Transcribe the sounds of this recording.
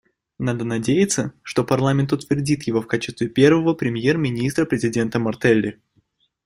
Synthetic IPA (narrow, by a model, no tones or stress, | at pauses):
nad̪ənɐdʲejɪt̪səʂt̪o̞pɐrlˠamʲɪnt̪ʊt̪vʲɪrdʲit̪jɪvo̞fkat͡ɕɪst̪vʲɪpʲe̞rvəvəpɾʲɪmje̞rmʲɪnʲist̪ɾəpɾʲɪzʲɪdʲe̞nt̪əmɐrt̪ɛlʲːɪ